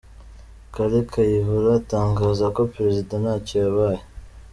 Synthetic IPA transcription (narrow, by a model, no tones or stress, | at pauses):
kaɾikʰajiɦuɾataːŋɡaːzako̞pɾe̞zidanacijaβaːje